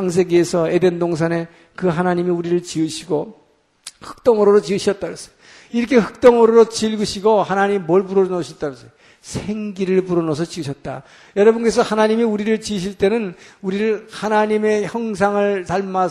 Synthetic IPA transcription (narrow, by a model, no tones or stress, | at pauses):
aŋs̬ʰe̞ɡiːsʰʌedendoŋsʰane̞ | kɯɦanaɲimiuɾiɾɯɭt͡ɕiɯɕʰiɡo | hɯ̥k̚t͈ʌŋɯɾoɾot͡ɕiɯɕʰʌt̚t͈aɾʌs͈ʌ̥j | iɾʌkʰe̞ɸɯ̥k̚t͈ʌŋɯɾoɾot͡ɕiɭɡɯɕʰiɡohanaɲimimʌɭpuɾʌɾnoɕʰʌt͈aɾos͈ʌj | sʰeŋɡiɾɯɭpuɾʌnos̬ʰʌt͡ɕiɯɕʰʌt̚t͈a̰ | jʌɾʌbunk̬͈e̞sʰʌhanaɲimiuɾiɾɯɭt͡ɕiɯɕ̬ʰiɭt͈e̞nɯnuɾiɾɯɭhanaɲime̞çjʌŋsʰaŋɯɭtaɭma